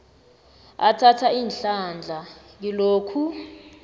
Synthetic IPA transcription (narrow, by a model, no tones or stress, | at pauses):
atʰatʰaiːnɬand͡ɮʱa | ŋiloːkʰu